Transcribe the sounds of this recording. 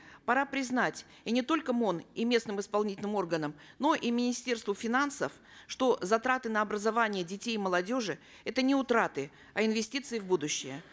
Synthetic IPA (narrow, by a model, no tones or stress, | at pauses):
pɐɾapɾʲɪznatʲ | inʲɪt̪o̞lʲkəmonimʲe̞snɨmɨspɐlˠnʲitʲɪlʲnɨmo̞rɡənəm | no̞ʔimʲɪnʲɪsʲtʲe̞rst̪vʊfʲɪnansəf | ʂt̪o̞zɐt̪ɾat̪ɨnəɐbɾəzɐvanʲɪjədʲɪtʲejməlˠɐdʲo̞ʐɨ | ɛt̪ənʲɪʊt̪ɾat̪ɨ | ɐɪnvʲɪsʲtʲit̪sɨɪvbud̪ʊɕːɪjə